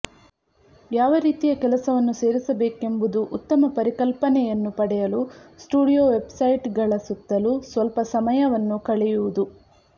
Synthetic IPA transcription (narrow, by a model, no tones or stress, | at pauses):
jaːʋɐɾiːt̪ijɐkɛlɐsɐʋɐnːuse̞ːɾisɐbe̞ːke̞mbud̪uʔut̪ːɐmɐpɐɾikɐlpɐnɛjɐnːupɐɽɛjɐlusʈuːɽijoːʋe̞bsɐjʈɡɐɭɐsut̪ːɐlusʋɐlpɐsɐmɐjɐʋɐnːukɐɭɛjuʋud̪u